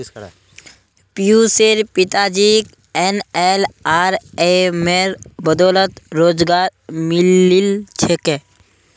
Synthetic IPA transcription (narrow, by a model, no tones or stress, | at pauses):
pijuseɾpɪt̪ad͡ʒik | enelaːɾemeɾbəd̪ɔːlət̪ɾoːd͡ʒɡaːɾmilːilt͡ʃʰeke